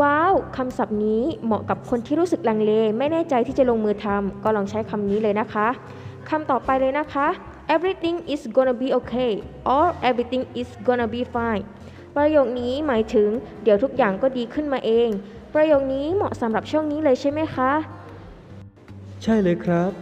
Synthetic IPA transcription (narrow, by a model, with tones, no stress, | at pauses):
waː˦˥˩wkʰa˧msa˨˩p̚niː˦˥mɔ̰˨˩ka˨˩p̚kʰo˧nt̪ʰiː˥˩ɾuː˦˥sɯ˨˩k̚laː˧ŋleː˧ma˥˩jnɛː˥˩t͡ɕa˧jt̪ʰiː˥˩t͡ɕa˨˩lo˧ŋmɯː˧t̪ʰa˧mkɔː˥˩lɔː˧ŋt͡ɕʰa˦˥jkʰa˧mniː˦˥lɤː˧jna˦˥kʰa˦˥ʔ | kʰa˧mt̪ɔː˨˩pa˧jlɤː˧jna˦˥kʰa˦˥ʔ | ʔe˦˥bɾi˦˥t̪i˧ŋʔi˨˩sɡo˧na˧biː˧ʔoː˧kʰeː˧˥˩ʔɔː˧lʔɛ˦˥bɾi˧˥t̪i˧ŋʔi˨˩sɡoː˧na˧biː˧faː˧˩n | pɾa˧joː˨˩k̚niː˦˥maː˩˦jt̪ʰɯ˩˦ŋdi˨˩˦wt̪ʰu˦˥k̚jaː˨˩ŋkɔː˥˩diː˧kʰɯ˥˩nmaː˧ʔeː˧ŋ | pɾa˧joː˨˩k̚niː˦˥mɔ˨˩ʔsa˨˦mɾa˨˩p̚t͡ɕʰu˥˩əŋniː˦˥lɤː˧jt͡ɕʰa˥˩jma˦˥jkʰa˦˥ʔ | t͡ɕʰa˥˩jlɤː˧jkʰɾa˦˥p̚